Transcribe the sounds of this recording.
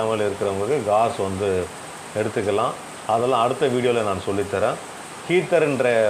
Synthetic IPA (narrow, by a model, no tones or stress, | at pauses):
ɐmɐlɪɾɯkːɪɾɐʊŋɡɐɭkːɯɡaːɾsʋɐnd̪ɯ | ɛɽɯt̪ːɯkːɐlãː | ɐðɛlːãːɐɽɯt̪ːɐʋiːɽɪjoːlɐnaːnsɔlːɪt̪ːɐɾẽː | kiːt̪ːɐɾɪndɾɐ